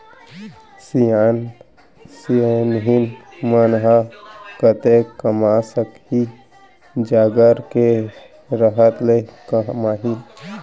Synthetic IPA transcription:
sijan | sienɦin | manɦakət̪ekəmasək | i | d͡ʒaːɡəɾke | ɾəɦət̪lekəmaːɦil

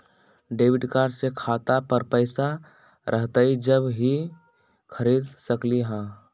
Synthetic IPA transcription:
ɖeːʋiɖkaːɾɖsekʰat̪apəɾpəɪsa | ɾʔəɦt̪aid͡ʒəbɦi | kʰəɾiːd̪səkliɦã

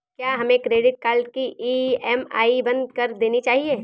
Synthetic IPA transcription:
kjaːɦɐmẽkɾeːɖɪʈ̚kaːlʈkiʔiɛma̰ːibɐ̃nd̪̚kɐɾd̪eːnit͡ʃaːɦieː

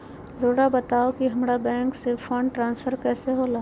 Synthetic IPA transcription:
zoːɽabɐt̪aːokiɦɐmɾabɛ̃ːŋksɪɾfɐ̃ɳɖʈɾãːnsfʰəɾkɛːseɦoːlaː

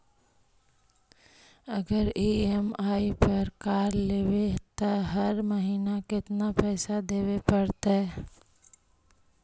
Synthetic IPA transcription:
əɡəɾeemaːipəɾkaːɾleːʋet̪əɦəɾməɦiːnakɪt̪napɛɪsad̪ewepəɾt̪ɛ

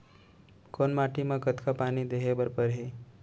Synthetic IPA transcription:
koːnmaːʈimãkət̪kapaːnid̪eɦebəɾpəɾɦe

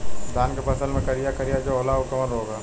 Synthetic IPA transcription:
d̪ʱaːnkepɐsəlmẽkɐɾijakɐɾijad͡ʒooːlaokɐməɾɦoːɡaː

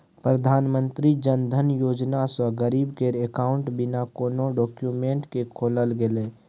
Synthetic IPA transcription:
pɾəd̪ʱaːnmə̃nt̪ɾid͡ʒənd̪ʱənjoːd͡ʒnasəɡəɾiːbkeɾekaːʊ̃ɳʈbɪnakoːnõɖɔːkjumẽːɳʈkekʰoːləlɡeleː

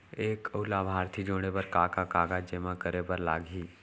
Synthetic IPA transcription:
eːkəʊlabʱaːɾt̪ʰid͡ʒõːɽ̃epəɾkaːkakaːɡad͡ʒeːmãkəɾebəɾla̰ːɡʱiː

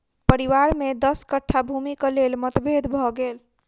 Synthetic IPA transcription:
pəɾiʋaɾmed̪əskəʈʰːabʱumikəlelmət̪bʱed̪bʱɔɡel

